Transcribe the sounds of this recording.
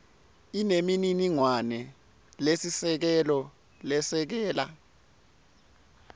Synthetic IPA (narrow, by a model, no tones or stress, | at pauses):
inemininiŋwanɛ | lesisɛk̬ɛlɔ | lɛsɛk̬ɛːla̰